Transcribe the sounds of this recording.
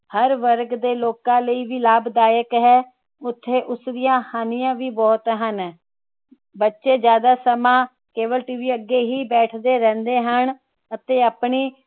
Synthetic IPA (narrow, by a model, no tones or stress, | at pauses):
həɾʋəɾɡd̪eːloːkãːləiːʋiːlaːbd̪aːjəkɦɛː | ʊt̪ʰːeːʔʊsd̪ɪjãːhaːnɪjãːʋiːbɔːt̪ɦən | bətːʃeːd͡ʒjaːd̪aːsəmãː | keːʋəlʈiːʋiːəɡeːɦiːbɛːʈʰd̪eːɾɛ̃ːnd̪eːɦən | ət̪eːaːpɳiː